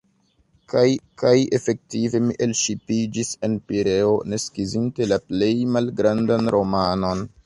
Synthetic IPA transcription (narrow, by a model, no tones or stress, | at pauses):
kajkaje̞fe̞k̚tive̞miʔelʃipid͡ʒise̞npiɾe̞o̞neskizinte̞laple̞jmalɡɾandanɾo̞mano̞n